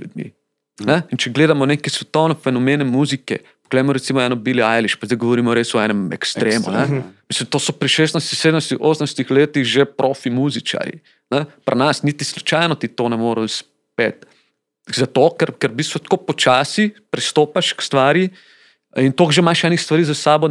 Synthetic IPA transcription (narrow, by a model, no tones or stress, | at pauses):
ljṵd̪mḭ | nɛint͡ʃɛɡleːd̪amɔnekɛsʋɛt̪ownɛfɛnɔmeːnɛmuːzikɛ̰ | po̥ɡ̥lɛːmɔɾɛt̪simɔɛnɔbiːliajliʃpazd̪aɪɡoʋɔɾiːmɔɾesɔɛːnɛmɛ̰kst̪ɾeːmṵnɛmislimt̪oːsɔpɾɛʃeːs̬t̪najst̪iseːd̪əmjst̪ixoːsənajst̪ixleːt̪iɣʒepɾʔoːfimuːzit͡ʃa̰ɾjḭ | nɛpɾanasnit̪islut͡ʃajnɔt̪it̪onɛmoːɾous | peːt̪ | zat̪oːkɛɾkɛɾubist̪ʋɔt̪koːpɔt͡ʃaːsipɾist̪oːpaʃkst̪ʋaːɾji | int̪oːɡʒemaʃɛːnixst̪ʋaɐɾizasaːbɔ